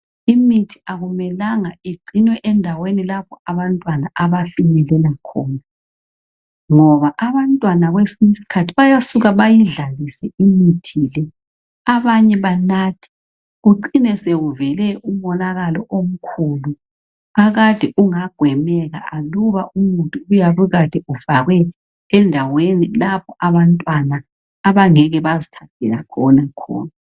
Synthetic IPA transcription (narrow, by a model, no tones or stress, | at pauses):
imitʰi̥aɣumɛlaŋaeɡ͡ǀʱinwɛʔɛndʱawenilapɔaβantʼwanaʔaβafinɛlɛlakʰɔːna | ŋɔβaʔaβantʼwanaɣwesinsi̥kʰatʰi̥βajasuɣaβajiɮalisɛimitʰilɛ | aβaɲɛβanaːtʰi̥ | ɣuǃinɛsɛɣuvɛlɛum̩ɔnaɣalɔʔom̩kʰulu | aɣad̥ʱɛʔuŋaɡ̥ʱwɛmɛɣa̰ʔaluβaʔumuntʼuujaβuɣad̥ʱɛuv̥aɣwɛː | ndʱawenilapʰɔaβantʼwanaː | βaŋɛɣɛβazitʰanʰʱɛlakʰɔnakʰɔ̰ːna